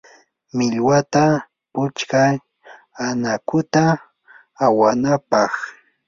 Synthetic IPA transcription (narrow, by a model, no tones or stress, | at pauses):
mɪʎwat̪a | pʊt͡ʃka | anakʊt̪aː | wanapɑχ